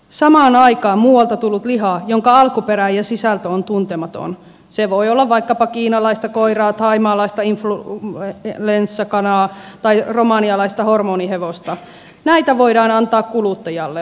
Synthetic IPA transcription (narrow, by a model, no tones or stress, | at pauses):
sɑmɑːnɑikɑːmmuːwɑlt̪ɑt̪ulːut̪liɦɑjoŋkɑɑlkupeɾæjɑsisælt̪øont̪unt̪emɑt̪o̰n | seʋoiolːɑʋʋɑikːɑpɑkiːnɑlɑist̪ɑkoirɑːt̪ʰɑimɑːlɑist̪ɑinflu | lensːɑkɑnɑːt̪ɑiromɑːniɑlɑist̪ɑhormoːniheʋost̪ɑ | næit̪æʋoidɑːnɑnt̪ɑːkkulut̪ːɑjɑlːe